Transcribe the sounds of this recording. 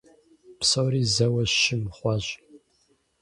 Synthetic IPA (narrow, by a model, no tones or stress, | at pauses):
psɐwɾiːzɐwɐʃɪmχʷɑʒʑ